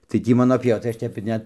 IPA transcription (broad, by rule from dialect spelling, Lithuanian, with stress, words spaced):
tɐɪ ˈtʲiː ˈmɑːnoː pʲiɛˈʋɐ tɐɪ ˈɐʃ ˈtʲɛp ɪr ˈnʲɛt